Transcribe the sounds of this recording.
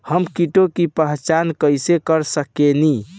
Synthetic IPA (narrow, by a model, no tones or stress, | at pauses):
həmkiʈokipəɦt͡ʃankəjsekəɾsəkeni